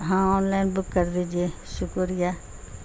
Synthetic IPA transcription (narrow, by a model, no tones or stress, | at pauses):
ɦãːɔːnlaːɪnbʊkːəɾd̪eːd͡ʒieʃʊkoɾɪjaː